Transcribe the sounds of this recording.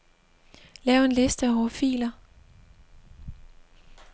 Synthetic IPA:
lɛːʊe̝nle̝sd̥əæɒfḭːlɐ

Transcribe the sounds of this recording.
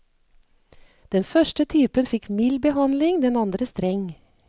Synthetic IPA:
d̪̥ɛnfœʃʈət̪ʰyːpənfɪkmɪlbəhɑnlɪŋd̪ɛnɑnd̪ɾəst̪ɾɛŋ

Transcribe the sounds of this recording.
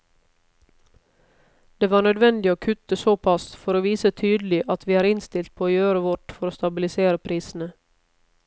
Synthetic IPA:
d̪̥eːʋɑːɳœd̪ʋɛnd̪ɪoːkʰʉt̪əsoːpʰɑsfɔɾoːʋiːsət̪ʰyːd̪lɪʔɑt̪ʰʋiːæːɾɪnst̪ɪlt̪̚pʰoːoːjøːɾəʋɔʈfɔɾoːst̪ɑbɪlɪseːɾəpʰɾiːsn̩ə

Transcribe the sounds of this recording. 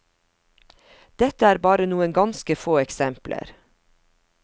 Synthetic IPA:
d̪̥ɛt̪əæːɾbɑːɾənuːənɡɑnskəfoːɛksɛmplʔə̰ɾ

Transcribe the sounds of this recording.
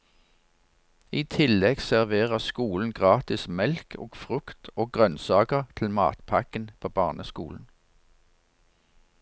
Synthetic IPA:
iːt̪ʰɪlɛɡsæʁʋeːʁəskuːln̩ɡʁɑːt̪ɪsmɛlkʰo̰ːɡ̥fʁʉkt̪ʰoːɡʁœnsɑːkəʁt̪ʰl̩mɑ̰ːt̪pʰɑkənpʰoːbɑːʁnʔəskṵːln̩

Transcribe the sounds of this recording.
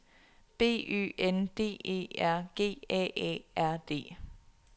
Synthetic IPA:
b̥e̝̰ːy̰ːʔend̥e̝̰ːe̝̰ːæɐ̰ɡ̥e̝̰ːɛ̰ːʔɛ̰ːʔæɐ̰d̥e̝̰ː

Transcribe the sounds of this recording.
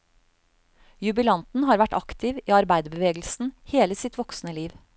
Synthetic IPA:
jʉbɪlɑnt̪n̩ɦɑːɾʋæʈɑkt̪ʰɪʋiːɑɾbæɪd̪əbəʋeːɡl̩sn̩heːləsɪt̪ʋɔksnəliːʋ

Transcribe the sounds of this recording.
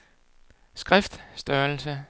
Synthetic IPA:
sɡ̥ʁɛfd̥sd̥ɶɐl̩sə

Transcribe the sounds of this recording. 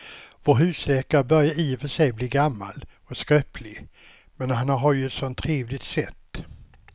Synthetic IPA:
voːɾɦʉ̟ːslɛːkaɾəbœɾjaiːvœʂɛjbliːɡamːa̰lɔskɾœpʰlɪɡ | mɛnhanɦaɾjɵɛt̪sɔnt̪ʰːɾeːvlɪɡt̪sɛt̪ː

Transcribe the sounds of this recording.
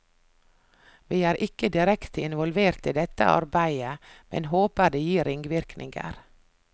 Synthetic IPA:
ʋiːæːɾʔɪkəd̪ɪɾɛkt̪ɪnʋɔlʋeːɾt̪iːd̪ɛt̪ə̰ʔɑ̰ɾbæɪəmʔɛ̰nhoːpəd̪eːjiːɾɪŋɡʋɪɾknɪ̰ŋɡə̰ɾ

